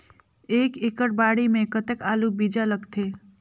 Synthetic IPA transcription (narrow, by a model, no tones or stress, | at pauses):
eːkekəɾbaːɽimẽkət̪ekaːlubid͡ʒaləɡt̪ʰe